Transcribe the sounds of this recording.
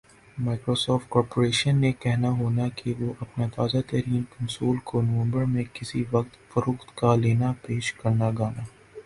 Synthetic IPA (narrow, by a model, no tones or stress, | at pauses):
maːɪkɾoːsɔːfʈkɔːɾpoːɾeːʃənːekɛɦnaɦoːnakiʋoʔɐpnat̪aːzat̪ɐɾiːnkʊ̃nsoːlkonɐʋ̃mbəɾmẽkɪsiʋɐq̚t̪fɐɾoːxt̪kaleːnapeːʃkɐɾnaɡaːnaː